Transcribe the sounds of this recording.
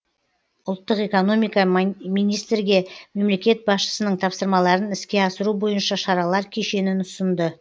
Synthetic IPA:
ʊlˠt̪ːəqe̞ko̞no̞mijkɑmijnijst̪ɾɡʲe̞me̞mle̞kʲe̞t̪̚bɑsʃə̥sənəɴt̪ʰɑpsəɾmɑlˠɑɾənɪskʲe̞ɑsəɾubo̞jənʃɑʃɑɾɑlˠɑɾkʲʰe̞ʃe̞nɪnʊsənd̪ə

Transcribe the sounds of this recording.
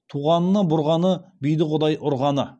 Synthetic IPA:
t̪ʰuʁɑnːəbʊɾʁɑnəbijd̪ɪqʰʊd̪ɑjʔʊɾʁɑnə

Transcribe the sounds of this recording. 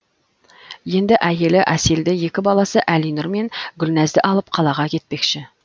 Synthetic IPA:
je̞nd̪ɪʔæje̞lɪʔæseld̪ɪje̞kʲɪbɑlˠɑsəʔælinʊɾme̞ŋɡʲʏlnæzd̪ɪʔɑlˠəp̚qʰɑlˠɑʁɑkʲʰe̞t̪̚pe̞kʃɪ

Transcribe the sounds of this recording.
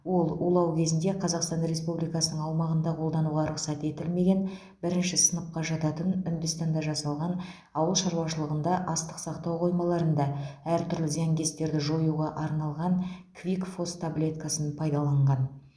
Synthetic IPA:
wo̞lˠulˠɑwkʲʰe̞zɪnd̪e̞qʰɑzɑqst̪ɑnɾe̞spublijkɑsənəɴɑwmɑʁənd̪ɑqʰolˠd̪ɑnuʁɑɾʊqsɑt̪e̞t̪ɪlme̞ɡʲe̞n | bɪɾɪnʃɪsənəp̚qɑʒɑt̪ɑt̪ənʏnd̪ɪst̪ɑnd̪ɑʒɑsɑlˠʁɑn | ɑwəlˠʃɑɾluwɑʃəlˠəʁənd̪ɑʔɑst̪ə̥qsɑqt̪ɑwqʰo̞jmɑlˠɑɾənd̪ɑæɾt̪ʰʏɾlɪzæŋɡʲe̞st̪e̞ɾd̪ɪʒo̞juʁɑʔɑɾnɑlˠʁɑnkʰvʲikfo̞st̪ʰablʲe̞t̪kasənpʰɑjd̪ɑlˠɑɴʁɑn

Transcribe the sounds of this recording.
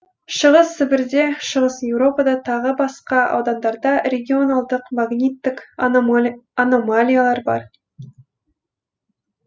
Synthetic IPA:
ʃəʁəsːɪbɪɾd̪e̞ʃəʁəsjewɾo̞pad̪ɑt̪ʰɑʁəbɑsqɑɑ̰wd̪ɑnd̪ɑɾd̪ɑɾʲe̞ɡʲio̞nalˠd̪əqmaɡnʲit̪ːɪk | anomalʲijalˠɑɾbɑ̰ɾ

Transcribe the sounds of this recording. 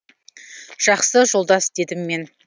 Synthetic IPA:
ʒ̥ɑqsəʒo̞lˠd̪ɑsd̪e̞d̪ɪmːe̞n

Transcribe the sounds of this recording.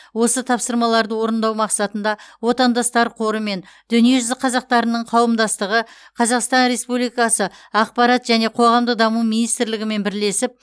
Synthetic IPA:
wo̞sət̪ʰɑpsəɾmɑlˠɑɾd̪əwo̞ɾənd̪ɑwmɑqsɑt̪ənd̪ɑwo̞t̪ɑnd̪ɑst̪ɑɾqʰo̞ɾəme̞nd̪̥ʏnije̞ʒʏzɪqʰɑzɑq̚t̪ɑɾənəɴqʰɑwəmd̪ɑst̪əʁə | qʰɑzɑqst̪ɑnɾe̞spublijkɑsəɑq̚pɑɾɑt̪ʒ̥æne̞qʰo̞ʁɑmd̪əqd̪ɑmumijnijst̪ɾlɪɡʲɪme̞nbɪɾle̞sɪp̚

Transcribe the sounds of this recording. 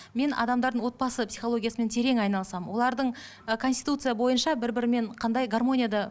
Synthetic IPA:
me̞nʔɑ̰d̪ɑmd̪ɑɾd̪əɴwo̞t̪̚bɑsəpsijχo̞lˠo̞ɡʲijasəme̞nt̪ʰe̞ɾe̞ŋɑjnɑlˠəsɑməwʔo̞lˠɑɾd̪əɴ | kʰo̞nst̪ijt̪ut̪sɨjabo̞jənʃɑbɪɾbɪɾɪme̞ɴqʰɑnd̪ɑjɡarmo̞nʲijad̪ɑ

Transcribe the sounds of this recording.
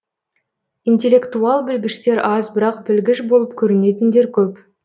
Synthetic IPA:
int̪e̞lʲːe̞kt̪uɑlˠbɪlɡʲɪʃt̪e̞ɾɑzbɪɾɑqbɪlɡʲɪʃbo̞lˠəp̚kʲʰɵɾɪne̞t̪ɪnd̪e̞ɾkʲʰɵp

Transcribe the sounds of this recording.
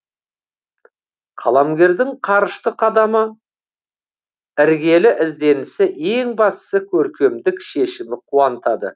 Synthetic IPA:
qʰɑlˠɑmɡʲe̞ɾd̪ɪŋqʰɑɾəʃt̪əqʰɑd̪ɑmə | ɪɾɡʲe̞lɪʔɪzd̪e̞nɪsɪʔe̞ŋbɑst̪ə̥səkʲʰɵɾkʲe̞md̪ɪkʃe̞ʃɪmɪqʰuɑnt̪ɑd̪ə̰

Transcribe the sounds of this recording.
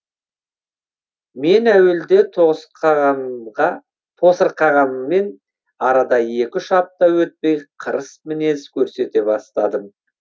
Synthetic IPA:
me̞næweld̪e̞t̪ | ɑ | t̪ʰo̞səɾqʰɑʁɑmːe̞n | ɑɾɑd̪ɑje̞kʲɪʃɑp̚t̪ɑwɵt̪̚pe̞jqʰəɾəsmɪne̞zkʲʰɵɾse̞t̪e̞bɑst̪ɑd̪əm

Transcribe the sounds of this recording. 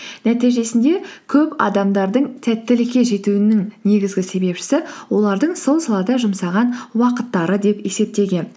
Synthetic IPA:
næt̪ijʒe̞sɪnd̪e̞kʲʰɵpɑ̰d̪ɑmd̪ɑɾd̪əɴt̪ʰæt̪ːɪlɪkʲːe̞ʒe̞t̪uɪnɪŋne̞ɡʲɪzɡʲɪse̞be̞pʃɪ̥sɪwo̞lˠɑɾd̪əɴso̞lˠsɑlˠɑd̪ɑʒʊmsɑʁɑnwɑqət̪ːɑɾəd̪e̞pe̞se̞p̚t̪e̞ɡʲe̞n

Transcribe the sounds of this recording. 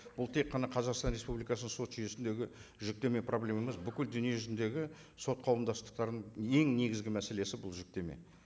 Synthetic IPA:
b̥ʊlˠt̪ʰeqʰːɑnɑqʰɑzɑqst̪ɑnɾʲe̞spublijkɑsənəɴso̞t̪ʒʏje̞sɪnd̪e̞ɡʲɪʒʏk̚t̪e̞me̞pʰro̞blʲe̞mɑməzbʏkʲɪld̪ʏnije̞ʒʏzɪnd̪e̞ɡʲɪ | so̞t̪̚qʰɑwəmd̪ɑst̪ə̥q̚t̪ɑɾd̪əɴe̞ŋne̞ɡʲɪzɡʲɪmæse̞le̞sɪbʊlˠʒɪk̚t̪e̞mḛ

